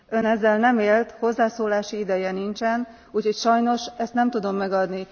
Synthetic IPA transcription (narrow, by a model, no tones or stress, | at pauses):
ø̞nɛzːɛlnɛmeːlt̪ho̞zːaːsoːlaːʃiid̪ɛjɛnint͡ʃɛn | uːcho̞cʃɒjno̞ʃɛst̪nɛmt̪ud̪o̞mːɛɡɒd̪ni